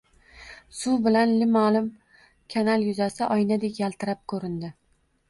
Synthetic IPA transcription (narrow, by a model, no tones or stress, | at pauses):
sʊbɪlanlɪmalɪm | kʲʰanalˠjʊzasɪʔɒjnad̪ekʲjalˠt̪ʰɪɾap̚kʰɵɾɪnd̪ɪ